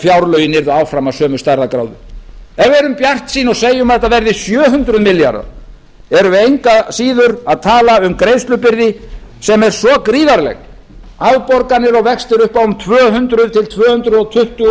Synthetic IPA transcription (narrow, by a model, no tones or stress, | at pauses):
fjawɾlœɥjɪnɪɾðʏawfɾamasœːmʏst̪aɾðakɾa̰wðʏ̰ɛvɛɾʏmpjar̥t̪siːnɔɣseːjʏmaðɛht̪avɛɾðɪsjœːɦʏnt̪ɾʏðmɪlja̰ɾa̰ɾ | ɛɾʏejŋkasiːðʏɾaðt̪ʰaːlaʏmkɾeːjst̪lʏpɪɾðɪsɛmɛɾ̥sɔkɾiːðaɾlɛ̰ɣ | aðpɔɾkanɪɾɔɣvɛkst̪ɪɾʏhpawʏmt̪ʰvœːɦʏnt̪ɾʏðt̪ʰɪlt̪ʰvœːhʏnt̪ɾʏðɔt̪ʰʏht̪ʏ